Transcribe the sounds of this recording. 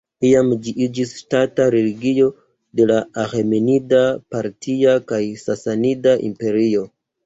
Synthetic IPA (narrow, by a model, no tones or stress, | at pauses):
iamd͡ʒiʔid͡ʒisʃtataɾe̞liɡio̞ | de̞laaxemenidapaɾtiakajsasanidaʔḭmpe̞ɾio̞